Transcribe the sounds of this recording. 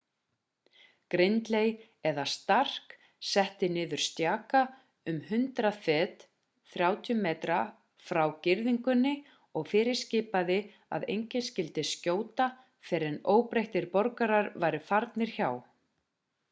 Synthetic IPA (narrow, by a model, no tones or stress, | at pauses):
kɾɪnt̪lej | ɛðast̪ar̥k | sɛht̪ɪnɪːðʏɾ̥st̪jaːka | ʏmhʏnt̪ɾafɛːt̪ | θɾjaːwt̪ʰjʏmːeːt̪ɾa | fɾawcɪɾðiŋkʏnːɪ | ɔɣfɪːɾɪ̥scɪːpaðɪ | a̰ðḛjɲcɪscɪlt̪ɪscoːwt̪a | fɛɾɛnoːwpɾejht̪ɪɾpɔɾkaɾaɾvaːjɾɪfaɾt̪nɪɾ̥çaw